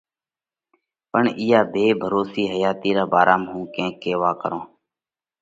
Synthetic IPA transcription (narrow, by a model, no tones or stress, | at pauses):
pəɳiːjaːbʱeːbʱəɾoːsiːɦəjaːt̪iːɾaːbaːɾaːmɦũːkẽːkːeːʋaːkəɾõː